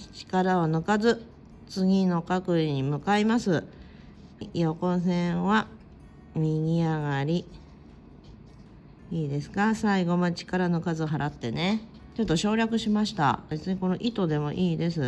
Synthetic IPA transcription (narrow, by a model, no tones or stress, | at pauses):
t͡ɕi̥kaɾaonokazɨ | t͡sɨɡʲino̞kakɯ̟iɲ̟imɯ̟kaimasɨ | jo̞kõ̞s̬ẽ̞ɰ̃βa | mʲiɡʲiaɡaɾʲi | iːd̪e̞sɨ̥kasaiɡo̞mat͡ɕi̥kaɾano̞kazɨɦaɾʔat̪ːe̞ne̞ | t͡ɕo̞t̪ːo̞ɕo̞ːɾʲakɯ̟ɕimaɕi̥t̪a̰be̞t͡sɨɲ̟iko̞no̞ʔit̪o̞d̪e̞mo̞̰ʔiːd̪e̞sɨ